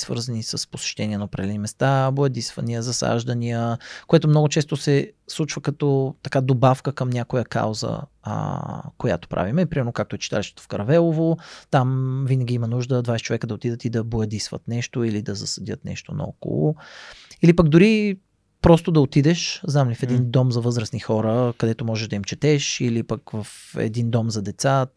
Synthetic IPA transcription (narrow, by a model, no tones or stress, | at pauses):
svə̰ɾzənisəspo̥sɛ̥ʃt̪ɛniəɛnɐopɾɐd̪ɛlɛnimɛst̪aboəd̪isvəniəzɐsa̰ʒd̪ənijəkoɛt̪omnɔɡʊt͡ʃɛst̪osɛslˠut͡ʃvəkɐt̪ɔt̪ɐkad̪obafkəkəmnʲjakojəka̰wzə̰ | koja̰t̪o̥pɾʔa̰vimɛpɾimɛɾnokak̚t̪oɛt͡ʃi̥t̪alʲiʃt̪e̥t̪o̥fkɐɾɐvɛlˠovot̪amvinəɡʲiimɐnuʒd̪əd̪vajsɛ̥t͡ʃovɛkəd̪ɐot̪id̪ət̪id̪ɐbojɐd̪isvə̰t̪nɛʃt̪oilid̪ɐzɐsɐd̪ʲjət̪nɛ̰ʃt̪onɐ̰ɔ̰ko̰lˠo̰ilipəɡd̪ʊɾi | pɾɔst̪od̪ɐot̪id̪ɛʃznamlifɛd̪ind̪ɔmzɐvɤzɾəsnixɔɾəkɐd̪ɛt̪omɔʒɛʒd̪ɐimt͡ʃɛt̪ɛʃilipəkvəfɛ̰d̪ind̪ɔmzɐd̪ɛt̪sa